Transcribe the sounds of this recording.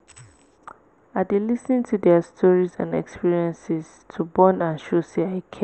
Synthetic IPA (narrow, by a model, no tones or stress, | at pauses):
adelisnĩntʰudɛastʰɔɹizã̰nɛ̰kspiɹiɛ̃nsɪz̥ | tʰubɔ̃nãnʃosiaɪkʰɛ̃